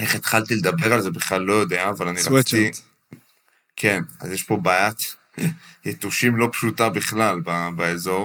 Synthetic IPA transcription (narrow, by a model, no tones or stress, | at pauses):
eχet̪χalt̪iled̪abe̞ʁalze̞biχlalːo̞jo̞d̪eaːvalaniʁai | kʰena̰zjeʃpo̞bajat̪ | jet̪uʃimlo̞pʃut̪abiχlalbabaezo̞ʁ